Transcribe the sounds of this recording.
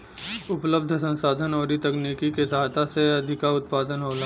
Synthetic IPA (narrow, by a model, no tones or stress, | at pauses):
ʊpləb̚d̪ʱsə̃nsaːd̪ʱənɔːɾit̪ɐkniːkikesaat̪ʰaseɐd̪ʱɪkaʊt̪̚paːd̪ənɦoːlaː